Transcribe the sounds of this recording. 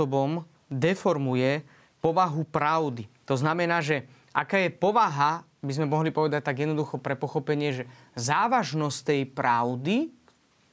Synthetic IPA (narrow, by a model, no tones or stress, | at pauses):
ɔbɔm | d̪ɛfɔɾmujɛ | pɔʋaɦupɾaʊd̪it̪ɔznamɛnaːʒɛ | ʔakaːjɛpɔʋaɦa | bizmɛmɔɦlipɔʋɛd̪ac̚t̪aɡjɛd̪nɔd̪uxɔpɾɛpɔxɔpɛɲɪɛʒɛ | zaːʋaʒnɔst̪ɛjpɾaʊd̪i